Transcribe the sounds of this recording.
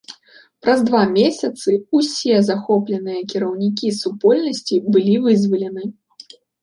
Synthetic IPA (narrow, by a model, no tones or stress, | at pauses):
pɾɐzd̪vamʲesʲɐt̪sɨusʲɛzaxɔplʲɛnɨjɐkʲiɾɐwnʲikʲisupɔlʲnɐsʲt͡sʲibɨlʲivɨzvɐlʲɛnɨ